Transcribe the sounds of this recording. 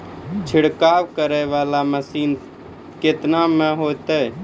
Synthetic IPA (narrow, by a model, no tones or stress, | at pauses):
t͡ʃʰiɽkaʋkəɾəjʋalaməsiːn | ket̪nameɦot̪ə